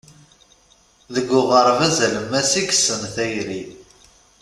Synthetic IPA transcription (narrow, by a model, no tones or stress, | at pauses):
ðəɡːʊʁəɾˤvæzæləmːæsikəsənθæjɾi